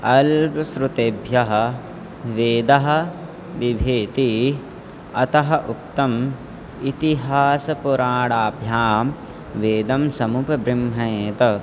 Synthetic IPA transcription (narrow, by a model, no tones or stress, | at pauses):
ɐlpɐsɾut̪eːbʱjɐɦɐ̆ | ʋeːd̪ɐɦɐ̆ | ʋibʱeːt̪i | ɐt̪ɐɦɐʔuk̚t̪ɐm | it̪iɦaːsɐpuɾaːɽaːbʱjaːm | ʋeːd̪ɐmsɐmupɐbɾimɦɐjeːt̪ɐ